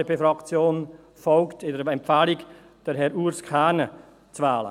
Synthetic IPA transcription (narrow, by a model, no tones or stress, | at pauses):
əbefɾɑkt͡sjoːn | fɔlktɪdəɾɛmpfaːlik | d̥əɾɦɛɾuɾskʰaːnə | t͡svaːlə̰